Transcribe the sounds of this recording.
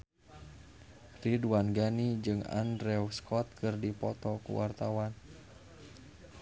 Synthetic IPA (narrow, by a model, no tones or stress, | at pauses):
riduanɡanid͡ʒɨŋa̰ndɾɛwskʰɔt̪̚kʰɨrdipɔt̪ɔkṵwart̪awan